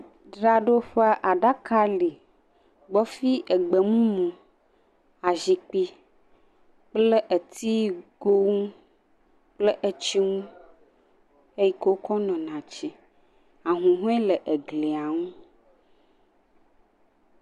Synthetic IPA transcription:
ɖɾa˨ɖo˦ɸa˦ʔa˨ɖa˦ka˦li˨ | ɡ͡bɔ˦fi˦ʔɛ˨ɡ͡bə˨mũ˦mũ˨ | a˨zi˨k͡pi˦ | k͡ple˦ʔə˨t̪i˦ɡo˦ŋũ˦ | k͡plə˦ʔe˦t͡ɕi˦ŋũ˦ | e˦ji˨ko˦kɔ˦nɔ̃˨nã˨t͡ɕi˦ | a˨ɦũ˨ɦũ˦ɛ˦lə˨ʔe˨ɡli˨a˨ŋũ˦

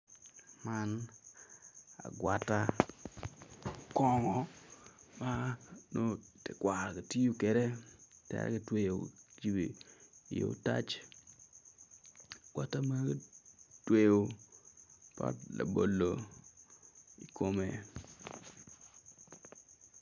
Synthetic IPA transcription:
ma˦n | a̰˨ɡwa˨tːa˦ | kɔ˦ŋɔ˨ | ma˦no˦te˨kwa˨ɾka˨ti˦jo˦ke˨ɾe˦tɛ̰ɾ̰ki˨twe˦jo˨d͡ʒi˨be˨jo̰˨ta̰˦t͡ʃ | a˨ɡ̥wa˦ta˦ma˦ktwe˦˨o˨ | pa̰˦tla˨bo˨lːo˨ | i˨kʰo˨me˨

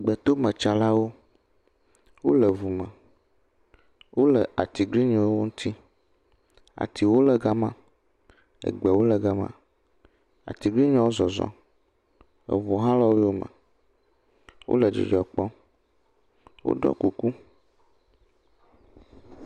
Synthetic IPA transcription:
ɡ͡bɛ˨t̪o˦mə̃˨t͡ʃa˨la˦wo˦ | wo̰˦lə˨vu˨mə̃˨ | wʔo˦lə˨ʔa˨t̪i˨ɡɾi˦ɲɔ̃˨wo˦wo˦ŋũ˦t̪ʰi˦ | a̰˨t̪i˨wo˦lə˨ɡa˦mã˦ | ə̰˨ɡ͡bɛ˨wo˦lə˨ɡa˦mã̰˦ | a̰˨t̪i˨ɡɾi˦ɲɔ̃˨˦wo˦zɔ˨zɔ̰̃˨ | ə̰˨vu˨ɦã˦lɔ˦wo˦o˦mə̰̃˨ | wo̰˦lə˨d͡ʒḭ˨d͡ʒɔ˨k͡pɔ˦ | wo̰˦ɖɔ̰˦ku˨ku˦

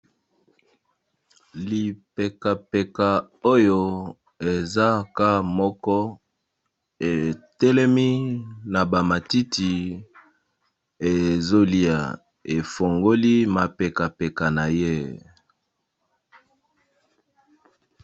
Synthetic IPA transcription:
li˨pe˨ka˨pe˨ka˨ | o˦jo˨ | e˨za˦ka˦mɔ˦kɔ˦ | e˨tɛ˦le˦mi˦na˨ba˨ma˨ti˦ti˨ | e˨zo˦li˦a̰˨ | e˨fo˨ŋɡo˦li˦ma˨pe˨ka˨pe˨ka˨na˨je˦

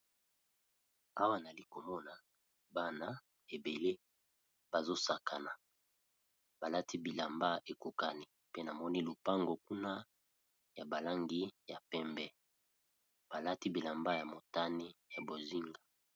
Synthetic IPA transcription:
a˦wa˦na˨li˨ko˨mɔ˦na˨ | ba˦na˨ | e˨be˨le˦ | b̥a˨zo˦sa˨kʰa˨na˨ | b̥a˨la˦tʰi˦bi˨la˨mba˦ʔe˨ko˨ka˨ni˦ | pe˦na˨mɔ˦ni˦lu˨pa˦ŋɡo˨ku˦na˦ | ja˨ba˨la˦ŋɡi˦ja˨pɛ˦mbɛ˦ | b̥a˨la˦ti˦bi˨la˨mba˦ja˨mo˨ta˦ni˦ja˨bo˨zi˦ŋɡa˨

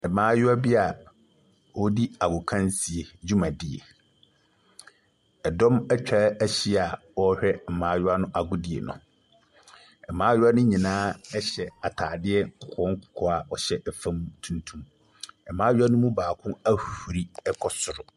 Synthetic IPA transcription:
ɛ˨mãː˦jʊ˦a˦bi˦a˨ | wɔ˦di˦a˨ɡʊ˨kʰã˦nsi˨e˨d͡ʑu˦mã˨dɪ˨ḛ˨ | ɛ˨dɔ̃˦mɛ˦t͡ɕᶣa˦æ˦ɕi˦a˨wɔ˦hᶣɛ˦m̩˨mãː˨˦jʊ˦a˦nʊ̃˦ʔa˨ɡʊ˦dɪ˨ḛ˨nʊ̰̃˨ | ɛ˨mãː˦jʊ˦a˦nʊ̃˦ɲĩ˨nãː˦ɛ˦ɕɛ˨a˨tʰaː˨dɪ˦ɛ˦ŋ˨kʰʊ˨kʰɔ̃˦ŋ̩˦kʰʊ̥˨kʰɔ˦a˨ɔ˨ɕɛ˦ʔɛ˨fã˦m˦tʰũ˨ntʰũ˦m | ɛ˨mãː˦jʊ˦a˦nʊ̃˦mũ˦baː˨kʰʊ̃˦a˦hu˨ɾi˦ɛ˦kʰɔ˨sʊ˨ɾʊ˨

